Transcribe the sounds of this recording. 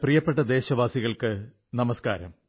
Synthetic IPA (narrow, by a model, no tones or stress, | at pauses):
prijɐpːe̞ʈːɐd̪e̞ːɕɐʋaːsiɣɐɭkɨ | nɐmɐskaːɾɐ̰m